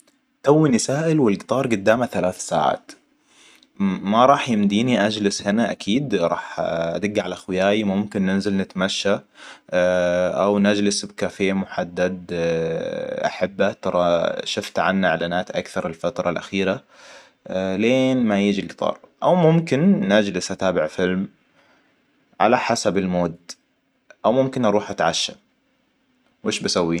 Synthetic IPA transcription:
t̪awːinɪsaːʔɪlwɪlɡt̪ˤɑːɾˤɡʊd̪ːaːmaθalaːθsa̰ːʕa̰ːt̪ | maɾˤɑːħjɪmd̪iːniʔad͡ʒlɪshɪnaʔa̰kʰiːd̪ɾˤɑ̰ːħʔa̰d̪ɪɡːʕalaxwɪjaːjimʊmkɪnːɪnzɪlnɪt̪maʃːa | ʔawnad͡ʒlɪsbkaːfɪjːamʊħad̪ːad̪̚ | ʔa̰ħabːat̪ɑɾˤɑʃʊft̪ʕa̰nːaɪʕlaːnaːt̪ʔa̰kθɑɾˤɪlfat̪ɾˤɑlʔa̰xiːɾa | leːnmajɪd͡ʒilɡɪ̥t̪ˤɑ̰ːɾˤʔawmʊmkɪnːad͡ʒlɪsʔat̪aːbɪʕfɪlm | ʕa̰laħasabɪlmoːd̪ | ʔawmʊmkɪnʔɑɾˤuːħʔat̪ʕaʃːa | wʔɪːʃbasawːiː

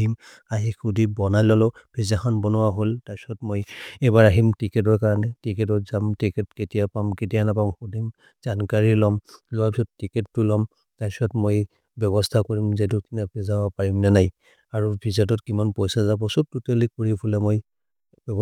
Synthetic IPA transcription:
im | aɦixudibɔnajlɔlɔb̥ʰʱizaxɔnbɔnʊwaɦoltaɹsɔtmojɛjbaɹaɦimtikɛt̬ɔɹkaɹɔnɛtikɛt̬ɔtzamtikɛtketijapamket̬ijanapamxudim | z̥ankaɹilɔmlɔwapisɔttːikɛtːʊlɔm | taɹsɔtmoj | bɔβɔstʰakoɹimzetukinabʱɛzabɔpaɹimnanaj | aɹubʰʱizat̬ɔtkimanpɔjsazabɔsututelikoɹibʰʱulɛmoj | bɔb

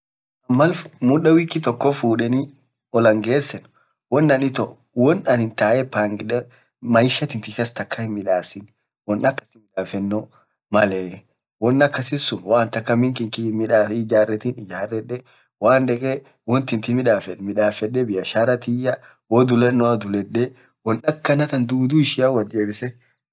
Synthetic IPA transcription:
ʔɐmːɐlmʊɗɐwikːɪt̪ɔkːɔfuːᶑɛni | ɔlɐŋɡeːsːɛn | wɔnːɐnɪt̪ɔʔ | wɔnɐnhɪnt̪aːʔɛpaːŋɡɪᶑɛ | mɐjʃɐt̪ɪnt̪ɪkɐst̪ɐkːɐhɪmːɪᶑaːsɪn | wɔnːɐkːɐ̥sɪmɪᶑaːfɛnːɔ | mɐlɛː | wɔnːɐkːɐsɪsʊnwaːnt̪ɐkːɐmɪŋkɪŋkɪmɪᶑaːɪd͡ʒaːrːɛt̪inɪd͡ʒaːrːɛᶑɛ | waːnd̪ɛkʼɛ | wɔnt̪ɪnt̪ɪmɪᶑaːfɛnmɪᶑaːfɛᶑːɛbɪjɐʃaːɾɐt̪ɪjːɐ | wɔd̪ʊlɛnːɔɐd̪ʊlɛɗːɛ | wɔnɐkːɐnɐt̪ɐnd̪uːd̪uːɪʃɪjawɐd͡ʒeːbɪsɛ

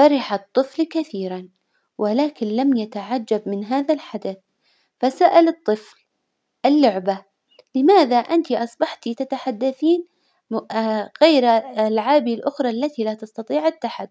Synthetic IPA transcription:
fɑɾɪħat̪ˤːɨflkaθiːɾan | wʔɪlaːkɪnlamjat̪aʕad͡ʒːabmɪnɦaːðalħad̪aθ | fasaʔalɨt̪ˤːɨfl | ʔɪlːʊʕba | lɪmaːðaʔant̪iʔɑsˤbɑħt̪it̪at̪aħad̪ːaθiːn | ɣajɾalʕaːbilʔʊxɾˤɑʔlːat̪ilat̪ɑst̪ɑt̪ˤiːʕat̪ːaħad̪

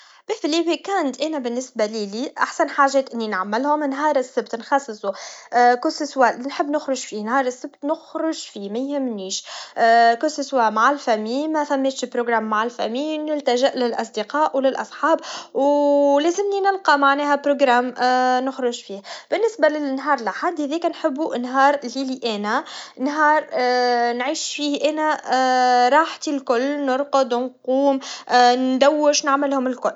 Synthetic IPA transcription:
b̥ɪfliːwikæːnt̪ʔɛːnæbɪnːɪsbaliliːʔaħsænħaːʒːɛːt̪ʔɪnːinʕamːɪlhʊmnɦɑːɾˤɪsːɪbt̪nxɑsˤːɨsˤukʊsɪswænħəbːnɪxɾʊʒfinhɑːɾˤɪsːɪbt̪nʊxɾʊʒfiːmæjhɪmːniːʃ | kʊsɪswæmaʕɪlfæmiːmæfæmːeːt̪ʃpɾoɡɾaːmːaʕalfæ̰miːɪlt̪æʒɪʔlɪlʔɑsˤd̪iqɑːʔwlɪlʔɑsˤħɑːbwlæzɪmninɪlqɑmaʕnɛːɦæpɾoɡɾaːmnʊxɾʊʒfiːhb̥ɪnːɪsbalɪnːɦɑːɾˤlɪħad̪ːhɛðiːkænħɪbːuʔnɦɑːɾˤliːliʔɛːnænɦɑːɾˤnʕiːʃfiːhʔæːnæ | ɾˤɑːħt̪ilkʊlːnʊɾˤqʊd̪nquːmnd̪æwːɪʃnaʕmɪlhʊmɪlkʊlː

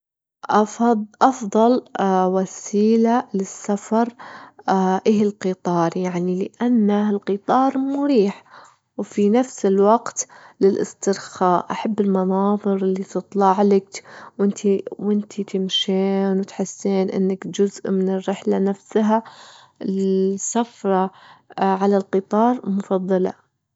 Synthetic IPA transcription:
ʔɑʔɑfðˤɑlwasiːlalɪsːafɑɾˤ | ʔɪːhɪlqɨt̪ˤɑːɾˤjaʕnilɪʔanːalqɨt̪ˤɑːɾˤmʊɾiːħ | wfinafsɪlwaɡt̪lɪlʔɪ̰st̪ɪɾxaːʔʔaħabːɪlmɑnɑːðˤɨɾɪlːit̪ɨt̪ˤlɑʕlɪkwʔɪnt̪ʰiwʔɪnt̪ʰit̪ʰɪmʃeːnwɪt̪ħɪsːeːnʔɪ̰nːɪkd͡ʒʊzʔmɪnɪrːɪħlanafsɦa | ɪlsafɾˤɑ | ʕalalqɨt̪ˤɑːɾˤmʊfɑðˤːɑla̰

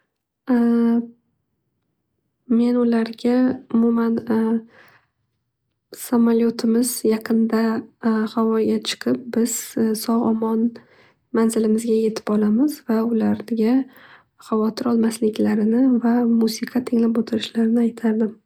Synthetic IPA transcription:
me̞nʊlaɾɡʲaʊmʊman | samaljot̪ʰɪmɪzjɑqʰɨnd̪ahavɒjɡʲat͡ʃʰɨ̥qʰɨp̚bɪz̥sɒʁɒmɒn | manzɪlɪmɪzɡʲaje̞t̪ʰɪ̥pɒlamɪzvaʊlaɾɡʲa | χavɒt̪ʰɪɾɒlˠmaslɪkʲlaɾɪnɪvamusɪqʰɑt̪ʰɪŋlapot̪ʰɪɾɪʃlaɾɪnɪajt̪ʰad̪ɪ

